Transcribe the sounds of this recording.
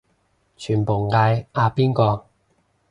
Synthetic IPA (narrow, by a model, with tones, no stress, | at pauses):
t͡ʃʰyː˨˩npo˨˩wŋaː˧jaː˧piː˥nkɔː˧